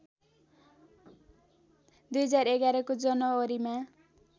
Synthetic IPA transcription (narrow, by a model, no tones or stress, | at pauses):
d̪ujɦʌd͡zareɡaɾʌkod͡zʌnʌːɾima